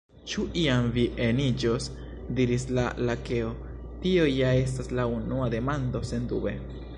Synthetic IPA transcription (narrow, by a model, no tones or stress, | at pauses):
t͡ʃuʔiamviʔe̞nid͡ʒo̞s | diɾislalake̞o̞ | tio̞jae̞staslaunuad̪e̞mand̪o̞se̞nd̪ṵbe̞̰